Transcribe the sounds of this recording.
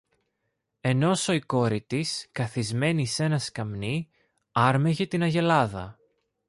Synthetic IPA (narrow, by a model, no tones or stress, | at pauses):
e̞no̞so̞iko̞ɾit̪iskɐθizme̞nise̞nɐskɐmni | ɐɾme̞ʝe̞t̪inɐʝe̞lɐðɐ̰